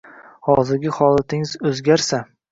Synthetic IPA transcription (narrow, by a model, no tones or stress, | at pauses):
hɒzɪɾɡʲɪhɒlˠat̪ʰɪŋɪzɵzɡʲaɾsa